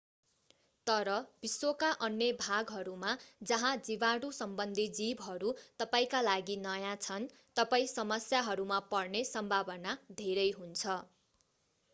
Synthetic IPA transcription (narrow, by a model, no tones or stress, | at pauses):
t̪ʌɾʌbiswokaʔʌnjʌbʱaɡɦʌɾumad͡zʌɦãd͡zibaɽusʌmbʌnd̪ʱid͡zibɦʌɾut̪ʌpaĩkalaɡinʌjãt͡sʰʌn | t̪ʌpaĩsʌmʌsjaɦʌɾumapʌrnesʌmbʱabʌnad̪ʱeɾʌjɦunt͡sʰʌ